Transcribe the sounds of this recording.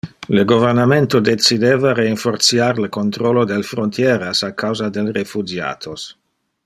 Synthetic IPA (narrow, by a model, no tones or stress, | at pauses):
ləɡovernament̪od̪et͡sid̪eːvaɾeiɱfort̪sjaɾləkont̪ɾolod̪elfɾont̪jɛːɾasakːawzad̪elrefud͡ʒja̰ːt̪ʰos